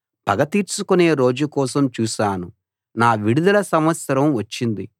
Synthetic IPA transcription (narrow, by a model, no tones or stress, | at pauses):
pɐɡɐt̪iːɾsukune̞ːɾo̞ːd͡ʒukɔːsɐmt͡ʃuːʃaːnu | naːʋiɽud̪ulɐsɐmʋɐt̪sɐɾɐmʋɐt͡ʃːind̪i